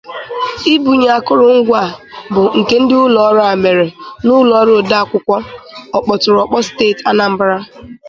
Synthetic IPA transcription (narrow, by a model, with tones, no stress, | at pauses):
i˦bu˨ɲ˨a˨kʊ˦ɾʊ˨ŋ̩˦ɡʷa˦˨bʊ˨ŋ̩˨ke˦n̩˦dɪ˦ʊ˦lɔ˨ɔ˦ɾa˨me˨ɾe˨nʊ˦lɔ˦ɾʊ˦˨da˦a˨kʷʊ˨kʷɔ˦ɔ˨k͡pɔ˨tʊ˨ɾɔ˨k͡pɔ˦steː˦˨ta˦na˨m̩˦bɾa˦